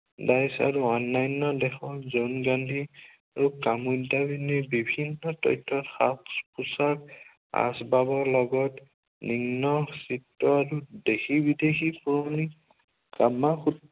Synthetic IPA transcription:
dajsa̰ɹuɔnːajnːɔdɛxɔzɔnɡandʱi | aɹukamudabinibibʱinːɔtɔ̰jtʰːɔtxakspusak | a̰sbabɔɹlɔɡɔt | niŋnɔsitːɔaɹudexibidexipuɹɔni | kamaxu

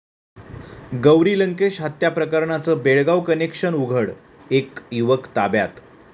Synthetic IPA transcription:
ɡəwɾiːləŋkeɕɦət̪japɾəkəɾɳat͡səːbeɭɡawkənekʂənuɡʱəɽ | ekjuʋəkt̪abja̰t̪

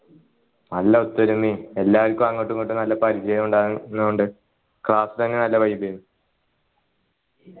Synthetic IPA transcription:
nɐlːɐut̪ːɐɾumːie̞lːaːʋɐlkʲːumɐŋːɐʈːuŋkoʈːumnɐlːɐpɐɾid͡ʑɐjɐmuɳɖaːnːoɳɖɨ | kɭaːsɨ̥t̪ɐnːenɐlːɐpɐjumbeɾunːu

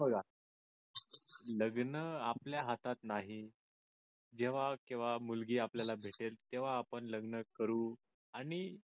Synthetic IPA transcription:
bəɡa | ləɡnəapljaɦat̪at̪naɦi | d͡ʑeʋ̤akĩw̃ʋamulɡiːapljalabʱeʈelt̪eʋ̤aːpəɳləɡnəkəɾuː | aɽ̃i

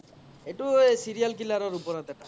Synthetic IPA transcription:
eʈuesiɾijalkilaɾɔɾupɔɾat̪ɛʈa

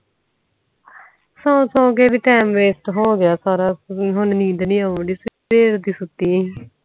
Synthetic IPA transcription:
sõːsõːk̬eːʋiːʈɛːmʋeːsʈɦoːɡɪjaːsaːɾaːɦʊnnĩːd̪nĩːaɖiːspeːɾd̪iːsʊt̪ːiː

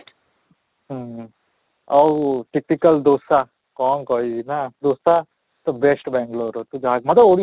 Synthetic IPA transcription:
ɐwuʈiknikɐld̪oːsa | kɔːŋkoiinad̪oːsa | t̪ɐbesʈbɛːŋɡloːɾot̪ud͡ʒaːɡ̚mɐd̪ɐoɽi

